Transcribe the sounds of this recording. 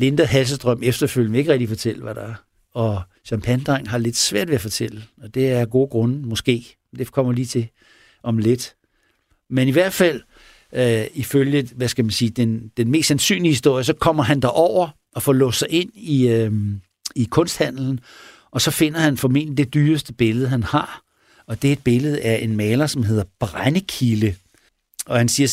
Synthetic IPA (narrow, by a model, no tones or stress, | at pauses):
le̝nd̥ɐɦæls̬əsd̥ʁœm̰efd̥ɐføl̰jn̩ʋee̝ɡ̥əʁɛɡ̚d̥ifɒ̽t͡sʰel̰əʋæɾ̥ɑæɐ | ɒ̽ | ɕɑmpʰænd̥ʁaŋ̰ɦɑ̈le̝d̥sʋæɐ̰d̥ʋe̝æfɒ̽t͡sʰel̰əɒ̽d̥e̝æɐɡ̥o̝ːɡ̥ʁɔ̽nəmɔ̽sɡ̥e̝̰ː | d̥e̝kʰɒ̽m̰ɐliːt͡sʰe̝ | ʔɒ̽mle̝d̥ | meniʋæɐ̰d̥fæl̰ | iføljəʋæskæmænsiːd̥end̥enme̝ːsd̥sænsy̰ːnlihhisd̥o̝ɐ̰jəs̬ɒ̽kʰɒ̽m̰ɐɦænd̥ɑʔɒʊ̰ɐ | ɒ̽fɒːlɔːsɑ̈ɪʔe̝n̰i | ikʰɔ̽nsd̥hæn̰l̩n̩ | ʔɒ̽sɒ̽fe̝n̰ɐhænfɒ̽me̝̰n̰d̥lid̥e̝d̥yːsd̥əb̥e̝ləð̞̩ˠɦænhɑ̈ | ɒ̽d̥eed̥̚b̥e̝ləð̞̩ˠæɐʔe̝nmɛːlɐsɒ̽mɦe̝ðˠɐb̥ʁanəkʰilə | ɒ̽hænsiːɐ